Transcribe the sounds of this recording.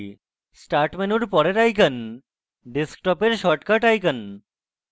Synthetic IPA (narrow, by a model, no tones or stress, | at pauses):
sʈaɾʈmenuɾpɔɾeɾajk̬ən | ɖesk̚ʈɔpeɾʃɔʈkaʈajk̬ən